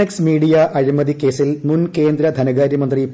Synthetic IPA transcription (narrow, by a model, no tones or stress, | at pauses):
eksmiːɽijɐʔɐɻimɐðike̞ːsilmunke̞ːnd̪ɾɐd̪ʱɐnɐɣaːɾjɐmɐnd̪ri